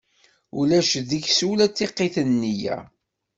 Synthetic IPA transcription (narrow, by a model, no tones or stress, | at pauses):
ulæʃðiçsulæt͡sːeqːiθənːijæ̰